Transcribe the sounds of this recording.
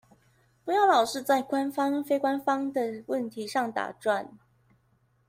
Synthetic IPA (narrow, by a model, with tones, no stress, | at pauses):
pu˧˥jɑ˥˩ʊlɑ˨˩ʊʂɻ̩˥˧t͡sa˥˩ɪkwa˦nfɑ˥ŋfe˥ɪkwa˥˦nfɑ˥ŋd̪ə˨wə˥˨nt̪ʰi˨˧˦ʂɑ˥˩ŋt̪a̰˨˩ʈ͡ʂwa˥˨n